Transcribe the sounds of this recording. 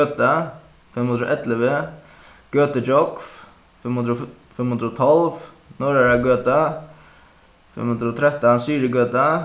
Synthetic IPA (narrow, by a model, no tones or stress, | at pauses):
øːt̪a | fɛmhund̪ɾʊʔɛt̪lɪʋɪ | ɡ̥øːt̪ət͡ʃɔkf | mhʊd̪ɾɔ | fɪmːhund̪ɾəɔt̪ʰɔlv | nɔɹaɹaɡøːt̪a | fɛ̰mhʊnd̪ɾəɔt̪ʰɾɛht̪ansiːɾɪɡøːt̪a